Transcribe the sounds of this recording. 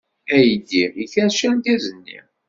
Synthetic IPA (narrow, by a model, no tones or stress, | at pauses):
æjd̪iiçæʃænd̪æzənːḭ